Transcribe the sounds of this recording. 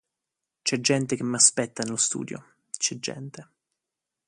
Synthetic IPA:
t͡ʃɛd͡ʒːɛnt̪ek̟emːaspɛt̪ːanelost̪ṵːd̪jo̰ | t͡ʃɛd͡ʒːɛ̰nt̪e

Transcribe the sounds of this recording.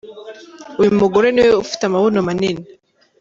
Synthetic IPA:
uimoɡoɾeneweufi̥tamaβonomanene

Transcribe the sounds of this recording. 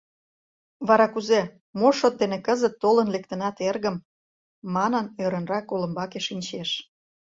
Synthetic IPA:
βɑɾɑkuze | moʃot̪̚d̪enekəzət̪ːolənlekt̪ənɑt̪erɣəmː | ɑnənøɾə̆nrɑkːolə̆mbɑkeʃinʲt͡ɕeʃ

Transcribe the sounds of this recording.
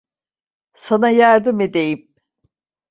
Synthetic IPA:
sanajaɾd̪ɯmed̪ejim

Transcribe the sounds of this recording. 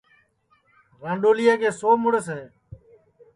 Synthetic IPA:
ɾãːɳɖoːlɪjaːkeːsoːmʊɽəsɦeː

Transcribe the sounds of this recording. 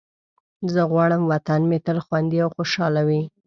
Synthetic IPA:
zəɣwɑɽəmwat̪anmet̪əlxwand̪iawxoʃɑlawi

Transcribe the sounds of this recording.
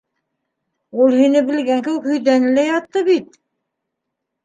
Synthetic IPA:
ulˠhinɘbɘ̆lɡæŋkɘ̆wɘkhɵ̆jðænɘ̆læjɑt̪ːɤβit̪̚

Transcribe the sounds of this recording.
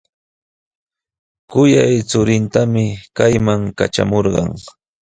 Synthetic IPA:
kʊjajt͡sʊɾɪnt̪amɪkajmaŋka̰ʈ͡ʂa̰moɾɢɑ̰ŋ

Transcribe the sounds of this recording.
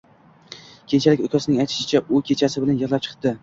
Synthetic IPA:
kʲʰe̞nt͡ʃʰalɪkʲokʲʰasɪnɪŋajt̪ʰɪ̥ʃɪt͡ʃʰaʔʊkʲʰe̞t͡ʃʰasɪbɪlanjɨʁlˠap̚t͡ʃʰɨ̥q̚d̪ɪ

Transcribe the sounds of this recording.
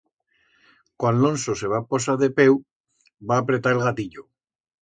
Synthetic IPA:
kwalonsoseβ̞apos̬aðe̞pew | baːpɾe̞t̪aɾe̞lɣat̪iʎo

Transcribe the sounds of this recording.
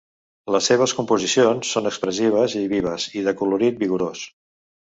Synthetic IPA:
ləsːeβ̞əskumpuzisionsːonəkspɾəsiβ̞əziβiβ̞əziðəkuluɾit̪̚biɣuɾos

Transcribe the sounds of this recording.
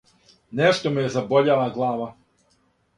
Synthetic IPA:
neʃt̪omejezaboʎaʋaɡlˠaːʋa

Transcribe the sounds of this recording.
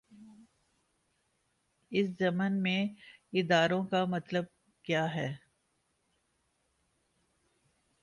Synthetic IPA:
ɪszɐmənmẽɪd̪aːɾõkamɐt̪ləb̚ | kjaːɦɛː

